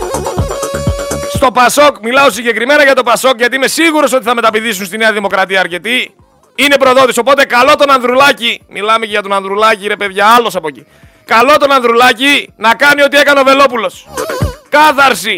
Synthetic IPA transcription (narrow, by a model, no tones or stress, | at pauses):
st̪o̞pɐso̞kmilɐo̞s̬iɲɟe̞kɾime̞nɐʝɐt̪o̞pɐso̞kʝɐt̪iime̞siɣuɾo̞so̞t̪iθɐme̞t̪ɐpiðis̬unst̪ine̞ɐðimo̞kɾɐt̪iɐːɾce̞t̪i | ine̞pɾo̞ðo̞t̪iso̞po̞t̪e̞kɐlo̞t̪o̞nɐnðɾulɐcimʔilɐmeceʝɐt̪onɐnðɾulɐciɾe̞pe̞ðʝɐɐlo̞sɐpo̞ci | kɐlo̞t̪o̞nɐnðɾulɐcinɐkɐnio̞t̪ie̞kɐneo̞ve̞lo̞pulo̞skɐθɐɾsi